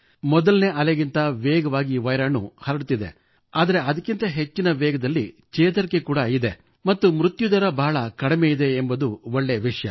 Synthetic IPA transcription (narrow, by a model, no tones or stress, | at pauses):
mɔd̪ɐlne̞ːʔɐleɡint̪ɐʋɛːɡɐʋaːɡiʋɐjɾaːnːṵhɐɾɐɽut̪ːid̪e̞̰ | aːd̪ɐɾe̞ɐd̪ɐkːint̪ɐɦe̞t͡ʃːinɐʋɛːɡɐd̪ɐlːi | t͡ʃeːt̪ɐɾikːekuːɽɐid̪e̞ | mɐt̪ːumɾut̪jud̪ɐɾɐbʱaːɭɐkɐɽimejid̪e̞ːmbɐd̪uɔɭːeʋiʂɐjɐ